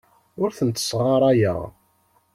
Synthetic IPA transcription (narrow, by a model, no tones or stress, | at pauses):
ʊɾθənt̪ːə̥sʁaɾˤajə̰ʁ